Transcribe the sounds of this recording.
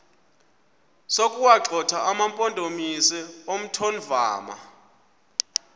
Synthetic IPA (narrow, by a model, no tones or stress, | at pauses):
sokʼuwaǃʱɔtʰaʔamampʼɔndʼʱomisɛom̩tʰon̩va̰ːma̰